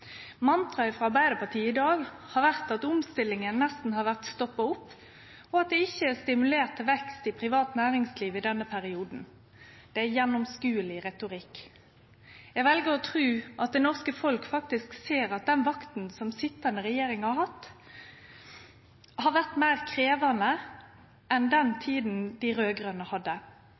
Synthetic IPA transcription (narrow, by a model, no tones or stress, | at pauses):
mɑnt̪ʁɑɪfʁɑɑʁbæɪd̪əpɑʁt̪ʰiːəɪd̪ɑːɡhɑɾʋæʁt̪ɑt̪ʊmst̪ɪlːɪŋənnɛst̪n̩hɑɾʋæʁt̪st̪ɔpːɑʊpː | ɔɑt̪̚d̪ɛɪçːəæːst̪ɪmʉleːʁt̪ʰːɛʋɛkst̪ɪpʰɾɪʋɑːt̪næːɾɪŋsliːʋɪd̪ɛnːəpʰæɾɪuːd̪n̩ | d̪̥ɛæjɛnːɔmskʉːəlɪʁɛt̪ʊʁɪk | jæɡʋɛlɡəɾɔt̪ʰʁʉːʔɑt̪̚d̪ɛnɔʁskəfɔlkfɑk̚t̪ɪskseːɾɑt̪̚d̪ɛnʋɑkt̪n̩sɔmsɪt̪ːənəɾɛjeːɾɪŋhɑɾhɑt̪ː | hɑɾʋæʁt̪mæɪʁkʰɾeːʋɑnə | ʔɛnd̪ɛnt̪ʰiːd̪n̩d̪ɪɾøːɡɾənəhɑd̪ːə